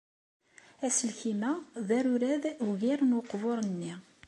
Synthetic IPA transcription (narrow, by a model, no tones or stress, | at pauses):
æsəlçimæðæɾʊɾæðwɣiɾnwʊqːvoɾˤənːi